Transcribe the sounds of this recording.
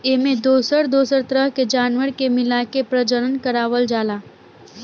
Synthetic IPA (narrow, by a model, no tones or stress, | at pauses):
emẽd̪oːsəɾd̪oːsəɾt̪ɾəɦked͡ʒaːnʋəɾkemɪlaːkepɾɐd͡ʒəɾənkəɾaːʋəld͡ʒaːlaː